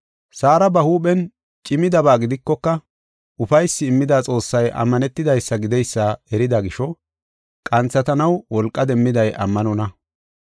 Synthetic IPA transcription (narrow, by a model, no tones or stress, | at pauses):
saːɾɐbɐhuːɓɛn | t͡ʃʼɪmɪd̪ɐbaːɡɪd̪ɪkːɔkːɐ | ʊfɐjsːɪːmːɪd̪aːt͡sʼo̞ːsːɐjʔɐ̰mːɐnɛt̪ːɪd̪ɐjsːɐɡɪd̪ɛjsːɐɛɾɪd̪ɐɡɪʃɔ | kʼɐnt͡sːɐt̪ɐnɐwwɔlkʼːɐd̪ɛmːɪd̪ɐjʔɐ̰mːɐnɔnɐ